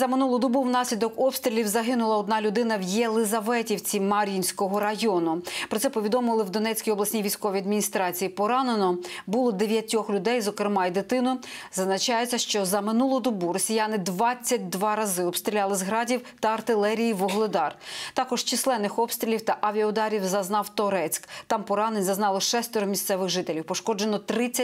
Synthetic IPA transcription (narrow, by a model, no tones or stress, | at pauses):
zɐmɪnulˠʊd̪ɔbuwnɑsʲlʲid̪ɔkɔpst̪ɾʲɪlʲiwzɐɦɪnʊlˠɐɔd̪nɑlʲʊd̪ɪnɐwjɛlˠɪzɐʋɛtʲiwt͡sʲimɐɾʲinʲsʲkɔɦɔɾɐjɔnʊpɾɔt̪sɛpɔʋʲid̪ɔmlˠɪwd̪ɔnɛt͡sʲkʲijɔblˠɐsʲnʲijʋʲijsʲkɔʋʲijɐd̪mʲinʲist̪ɾɑt͡sʲijipɔɾɑnenɔbulˠɔd̪eʋʲjɐtʲɔxlʲʊd̪ɛjzɔkɾɪmɑjd̪ɪt̪ɪnʊ | zɐznɐt͡ʃɑjet͡sʲːɐʃt͡ʃɔzɐmɪnulˠʊd̪ɔbuɾɔsʲijanɪd̪ʋɑt͡sʲːɐt̚ʲd̪ʋɑɾɐzɪɔbpst̪ɾʲilʲalˠɪzɦɾɑdʲiwt̪ɐːrt̪ɪlˠɛɾʲijiʋʊɦlˠɪd̪ɑrt̪ɑkɔʒt͡ʃɪslˠɛnːɪxɔpst̪ɾʲilʲiwt̪ɐʔɐʋʲiɐɔd̪ɑɾʲiwzɐznɑwt̪ɔɾɛt͡sʲkt̪ɑmpɔɾɑnenʲzɐznɑlˠɔʃɛst̪ɔɾɔmʲisʲt̪sɛʋɪxʒɪt̪elʲiwpɔʃkɔd͡ʒenɔt̪ɾɪt͡sʲːɐ